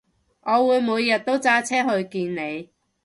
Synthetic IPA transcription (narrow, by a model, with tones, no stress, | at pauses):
ŋʔɔː˨˧wuː˨˧jmuː˨˧jjɐ˨t̚t̪o˥wt͡saː˥t͡sʰɛː˥ɦɵ˧ɥkiː˧nne˨˧j